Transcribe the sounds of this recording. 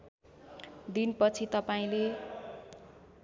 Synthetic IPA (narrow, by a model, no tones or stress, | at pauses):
d̪inpʌt͡sʰit̪ʌpaĩle